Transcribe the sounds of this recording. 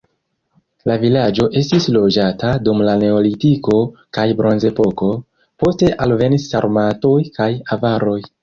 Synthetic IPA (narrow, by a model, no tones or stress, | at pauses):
lavilad͡ʒo̞ʔe̞stislo̞d͡ʒatadumlane̞olitiko̞kajbɾo̞nze̞po̞ko̞ | po̞ste̞ʔalve̞nisaɾmato̞jkajavaɾo̞j